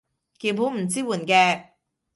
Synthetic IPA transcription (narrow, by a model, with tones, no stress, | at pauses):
kiː˧wpʰuː˨˥m̩˨˩t͡siː˥wuː˨˩nkɛː˧